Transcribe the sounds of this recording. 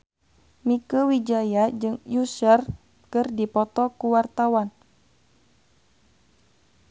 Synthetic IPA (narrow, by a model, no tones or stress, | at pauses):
mikəwid͡ʒajad͡ʒɨŋjusər | kɨrdipɔt̪ɔkuwart̪awan